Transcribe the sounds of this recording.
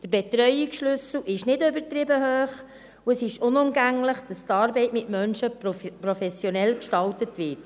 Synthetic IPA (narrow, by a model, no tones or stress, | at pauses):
d̥əɾbɛt̪ɾœʏiksʃlʏsl̩ʔɪʃnɪdøbəɾtɾɪbəɦøːχ | uəsɪʃʊnʊmɡæŋləχd̥ɑstɑːɾbɛɪtmɪtmœnʃəpɾɔfɛsjɔnɛlkʃtɑltətʋɪːt